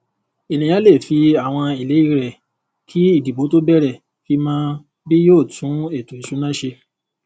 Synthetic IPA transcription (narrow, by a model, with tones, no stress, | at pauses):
e˨nĩ˨ja˨˦le˦˨fi˨˧a˦˨w̃ɔ̃˧i˨le˨˦i˦˧ɾɛ˨ | kʰi˦i˦˨di˨bo˨˦to˦bɛ˦˨ɾɛ˨ | fi˧˦mãː˦ | bi˦joː˦˨tũ˨˦e˦˨tu˨i˨ʃu˨˦nã˦˨ʃe˧